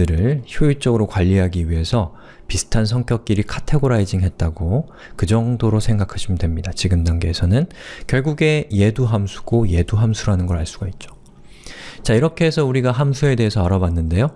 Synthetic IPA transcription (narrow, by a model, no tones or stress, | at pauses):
ɯɾɯɭçjoiɭt͡ɕ͈ʌɡɯɾokwaʎːiɦaɡiɥiɦe̞sʰʌ | pisʰɯ̥tʰans̬ʰʌŋk͈jʌk̚k͈iɾikʰatʰe̞ɡoɾaid͡ʑiŋɦe̞t̚t͈aɡo | kɯd͡ʑʌŋdoɾosʰe̞ŋɡakʰaɕʰimdwe̞mɲidat͡ɕiɡɯmdaŋɡe̞ːsʰʌnɯnkjʌɭɡuɡe̞je̞duɦamsʰu̥ɡ̥oje̞duɦamsʰuɾanɯnɡʌɾaɭs͈uɡ̥ait̚t͡ɕ͈o̥ | t͡ɕaiɾʌkʰe̞esʰʌuɾiɡaɦamsʰue̞de̞ɦe̞sʰʌaɾʌbanːɯnde̞jo